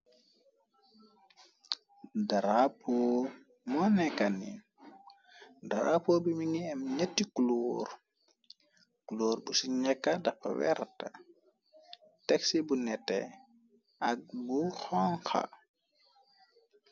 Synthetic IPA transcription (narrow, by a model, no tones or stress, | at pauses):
daɾapɔː | mɔnɛkanḭ | da̰ɾʔa̰pobimiŋiɛmɲetːikuloɾ | kuloːɾbusiɲɛkːadaka̰wɛ̰ɾta | tɛksibunɛtːɛ̰ | ʔak̚buxɔŋxa̰